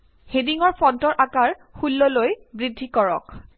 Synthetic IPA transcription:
hediŋɔɹpʰɔntɔɹʔakaɹxulːɔlojbɹidʱːikɔɹɔ̰k

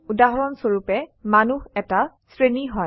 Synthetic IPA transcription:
udaɦɔɹɔnsoɹupɛmanuhɛta | sɹeniɦɔj

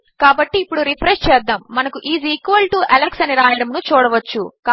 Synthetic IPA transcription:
kaːbɐʈːiːpːuɽuɾipʰɾest͡ʃɛːd̪ːɐmːɐnɐkuʔiːziːkʋɐlʈuʔɛlɐksɐniɾaːjɐɽɐmnut͡ʃuːɽɐʋɐt͡ʃːuka

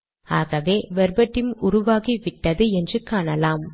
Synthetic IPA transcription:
aːɣɐʋeːʋɛɾbɐʈːɪmʊɾʊʋaːɣiʋɪʈːɐðɯɛndrɯkaːnɐlaːm

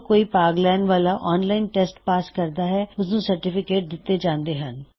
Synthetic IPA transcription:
koːiːpaːɡlɛːnʋaːlaːʔɔːnlaːɪnʈɛːsʈpaːskəɾd̪aːɦɛːʊsnũːsəɾʈɪfɪkeːʈ̚d̪ɪt̪ːeːd͡ʒãːnd̪eːɦən

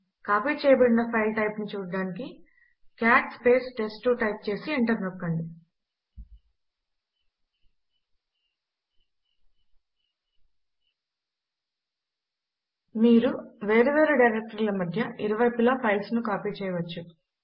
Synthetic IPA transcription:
kaːpiːt͡ʃɛːjɐbɐɽinɐpʰɐjlʈɐjpnut͡ʃuːɽɖaːniki | kjaːʈspe̞ːsʈe̞sʈuʈɐjp̚t͡ʃe̞ːsieɳʈɐɾnokːɐɳɖi | miːɾuʋeːɾɐʋeːɾɐɖɐjɾek̚ʈɐɾlɐmɐd̪ʱjɐʔiɾɐʋɐjpilaːpʰɐjlsnukaːpiːt͡ʃɛːjɐʋɐt͡ʃːu

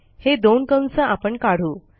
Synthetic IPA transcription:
hed̪onkə̃nsəʔapəɳkaɽ̤uː

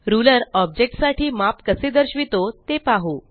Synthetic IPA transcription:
ɾuləɾɔb̚d͡ʑek̚ʈsaʈʰiːmapkəsed̪əɾɕʋit̪ot̪epaɦo

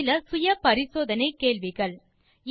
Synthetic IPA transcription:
lɐsʊjɐpɐɾɪsoːðɐnɐɪkːeːɭʋɪɣɐɭ

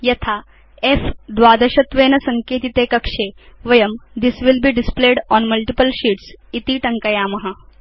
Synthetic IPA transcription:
jɐt̪ʰaː | efd̪ʋaːd̪ɐʃɐt̪ʋeːnɐsɐŋkeːt̪it̪eːkɐkʂeːʋɐjɐmd̪isʋilbiːɖispleːɖɔːnmɐlʈipəlʃiːʈsit̪iʈɐŋkɐjaːmɐɦɐ

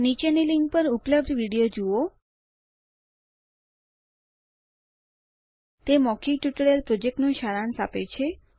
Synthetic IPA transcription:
nit͡ʃeniliŋɡ̚pəɾʊpləb̚d̪ʱʋiɽijod͡ʒuo | t̪emɔkʰiʈʋiʈəɭelpɾod͡ʒek̚ʈnũʃaɾansapet͡ʃʰe

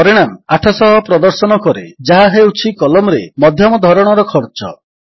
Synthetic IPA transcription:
ɔɾiɽ̃amaʈʰɔsɔɦɔpɾɔd̪ɔɾsɔnɔkɔɾed͡ʒaɦaɦewt͡ʃʰikɔlɔmɾemɔd̪ʱjɔmɔd̪ʱɔɾɔɽ̃ɔɾɔkʰɔɾt͡ʃɔ̰

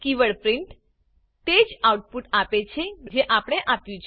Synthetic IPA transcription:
kiʋəɭpɾɪɳʈ | t̪ed͡ʒawʈ̚puʈapet͡ʃʰed͡ʒeʔapəɽ̃eʔapjũt͡ʃʰ

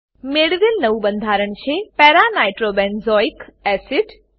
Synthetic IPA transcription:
meɽʋilnəʋubənd̪ʱaɾəɳt͡ʃʰepɛɾanajʈɾobɛnzɔikɛsiʈ

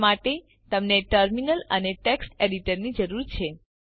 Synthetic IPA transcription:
maʈe | t̪əmneʈəɾminələneʈeksʈeɽiʈəɾnid͡ʒəɾuɾt͡ʃʰe

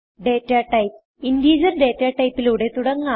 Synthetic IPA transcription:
ɖe̞ːtːaːʈɐjp̚ | indiːd͡ʑɐrɖe̞ːtːaːʈːɐjpːiluɽe̞t̪uɽɐŋːa

